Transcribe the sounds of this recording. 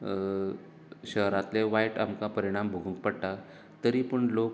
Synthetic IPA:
ɕəɦɾat̪leʋajʈa̰mkapəɾiɽ̃ambʱoɡʱuŋk̚pəɽʈa | t̪əɾipəɳlok

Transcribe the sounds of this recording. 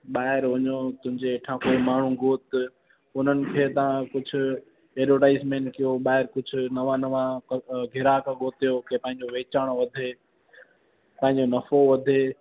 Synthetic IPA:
ɓaːɦɪɾʋɐɲot̪ʊ̃ɦɪ̃ɲd͡ʑeːʈʰãkoːimaːɳ̤ũɡʱoːt̪ | ʊn̤ənɪ̆kʰeːt̪ɐãkʊd͡ʑʱʊ̆ | eːɾoːʈaːɪsmẽːɳʈkijoɓaːɦɪɾkʊd͡ʑʱʊ̆nɐʋãnɐʋãɡʱɪɾaːkʰãɡoːt̪ijokʰeːpɐ̃ɦɪ̃ɲd͡ʑoʋeːt͡ɕaːɽ̃oʋɐd̪ʱeː | pɐ̃ːɦɪ̃ɲd͡ʑonɐfoʋɐd̪ʱeː

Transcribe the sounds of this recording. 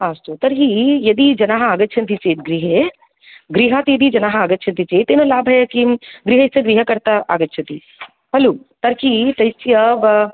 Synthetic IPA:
aːst̪ot̪ɐɾɦijɐd̪id͡ʒɐnaːɦɐaːɡɐtːʃʰɐnt̪ʰit͡ʃeːt̪̚ɡɾiːɦe | ɡɾiːɦãːt̪ijɐd̪id͡ʒɐnaːɦɐaːɡɐtːʃʰɐnt̪ʰit͡ʃeːt̪ːeːnolaːbɦɛkiɡɾiːɦɐɪseɡɾiːɦɐkɐɾt̪aaːɡɐtːʃʰɐt̪i | pɐluːt̪ɐɾkit̪ɐjsijɐʋɐ

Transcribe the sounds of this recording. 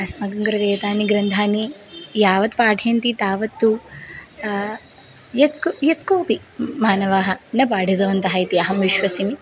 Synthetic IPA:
ɐsmɐɡɐŋɡɐɾɐd̪eːt̪aːniɡɾɐnd̪ʱaːnijaːʋɐt̪paːʈʰeːnt̪it̪aːʋɐt̪ːu | jɐt̪kjɐt̪koːpimaːnɐʋaːɦɐnɐp̬aːɖʱid̪ɐʋɐnt̪ɐɦaːjt̪iɐɦɐmʋiʃʋɐsimi

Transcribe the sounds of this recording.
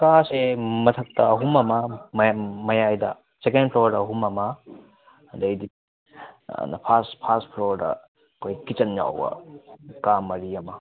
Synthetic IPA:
kasemɐt̪ʰɐk̚tɐɐɦumɐmɐmmɐjajdɐ | sekenpʰlodɐɦumɐmɐ | dɐjdḭ | nɐ̰pʰaspʰastpʰlodɐ̰ | kʰojkit͡ʃɐnja̰wbɐ̰kamɐɾiɐmɐ

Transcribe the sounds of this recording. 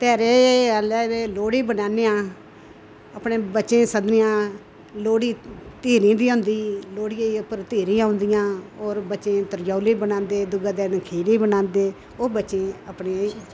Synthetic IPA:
t̪ɛːɾeːealɛːeːloːɽeːbənaːneːãː | əpneːbətːt͡ʃẽːsəd̪nɪjãː | loːɽiːt̪eːɾĩːd̪iːõːnd̪iːloːɽɪjãːʊpəɾt̪eːɾĩːãːɦʊ̃nd̪ɪjãːoːɾbətːt͡ʃẽːt̪əɾjaːleːbənãːnd̪eːd̪ʊɡaːd̪eːnəkʰeːleːbənãːnd̪eː | oːbət͡ʃẽːəpɳeː

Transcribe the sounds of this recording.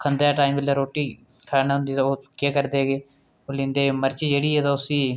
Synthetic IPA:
kʰənd̪ejaːʈaːimbɪlːaːɾoːʈːiː | kʰaːnaɦʊ̃nd̪iːt̪aoːkeːkəɾd̪eːɡeː | oːlɪ̃nd̪eːeməɾt͡ʃiːd͡ʒeːɽiːɦɛːt̪aːʊsiː

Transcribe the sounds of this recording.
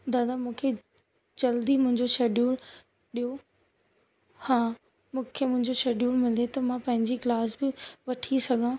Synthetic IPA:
d̪aːd̪amũːkʰe | d͡ʑɐld̪imʊ̃ɦɪ̃ɲd͡ʑoʃeːɖjuːɾ | ɗijo | hãː | mũːkʰemʊ̃ɦɪ̃ɲd͡ʑoʃeːɖjuːɾmɪlet̪ɐmãpɐ̃ɦɪ̃ɲd͡ʑiklaːsbɪʋɐʈʰisɐɡʱãː

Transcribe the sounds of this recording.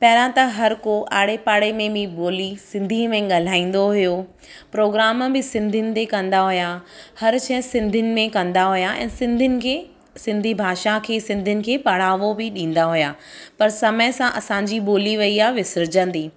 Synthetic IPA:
pɐɦɪlãt̪ɐɦɐɾkoʔaːɽ̤epaːɽemẽbĩboːlisɪ̃nd̪ʱimẽɠɐl̤aːĩːn̆d̪oɦʊjo | pɾoːɡɾaːmbɪsɪ̃nd̪ʱɪnɪ̆t̪ekɐ̃nd̪aɦʊjahɐɾt͡ɕʰɐ̃ɦsɪ̃nd̪ʱɪnɪ̆mẽkɐ̃nd̪aɦʊjaʔɛ̰̃ːsɪ̃nd̪ʱɪnɪ | sɪ̃nd̪ʱibʱaːʃakʰeːsɪ̃nd̪ʱɪnɪ̆kʰeːpɐɽ̤aːʋobɪɗĩːn̆d̪aɦʊjaːpɐɾsɐməjsãʔɐsãːɲd͡ʑiɓoːliʋɐiaːɦʋɪsɪɾɪd͡ʑə̃nd̪iː

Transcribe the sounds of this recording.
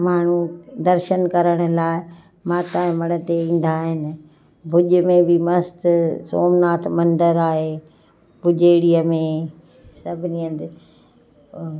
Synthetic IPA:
maːɳ̤ũd̪ɐɾʃənkɐɾəɽ̃ʊ̆laːɪ | mãːt̪aːɪ̃mɐɽ̃ə̆t̪eĩːn̆d̪aɦɪnɪ̆ | bʱʊʄʊmẽbɪmɐst̪soːmnaːt̪ʰmɐ̃nd̪əɾaːɦeː | bʱʊʄeːɽijəmẽ | sɐbʱɪnijə̃d̪ɪ

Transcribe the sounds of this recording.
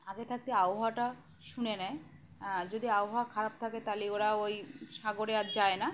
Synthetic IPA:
aɡet̪ʰak̚t̪eaoɦaʈa | ʃunenɛe | d͡ʑod̪iaoɦakʰaɾab̚t̪ʰaket̪aleoɾaojʃaɡoɾead͡ʑaena

